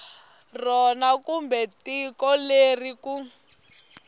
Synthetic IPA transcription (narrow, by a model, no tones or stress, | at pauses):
rɔnakumbɛtikɔleriku